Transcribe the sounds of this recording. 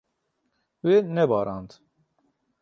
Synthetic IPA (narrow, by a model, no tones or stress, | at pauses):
wenɛbɑːɾɑːnd̪